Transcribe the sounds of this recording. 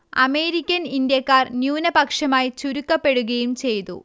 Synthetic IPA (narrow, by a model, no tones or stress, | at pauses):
ɐ̰me̞ːɾikʲːɐnind̪ijɐkːaːrnjuːnɐpɐkʂɐmaːjit͡ɕuɾukːɐpːe̞ɽuɣɐjumt͡ɕe̞jt̪ṵ